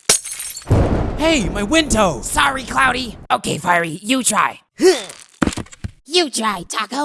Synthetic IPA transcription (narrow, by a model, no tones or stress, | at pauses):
heɪmaɪwɪ̃ndoʊsɑɹikʰl̥aʊɾioʊkʰeɪfaɪɹijɨtʰɹ̥a̰ɪ | hu | jɨtʰɹ̥aɪtʰɑko